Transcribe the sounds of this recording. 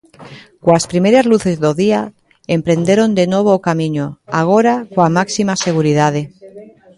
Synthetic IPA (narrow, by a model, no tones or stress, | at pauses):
kwaspɾime̞ɾazluθe̞zðoðia | empɾe̞nd̪e̞ɾo̞nd̪e̞nwo̞β̞okamĩɲoaɣ̞o̞ɾakwamaksimase̞ɣ̞uɾið̞aðe̞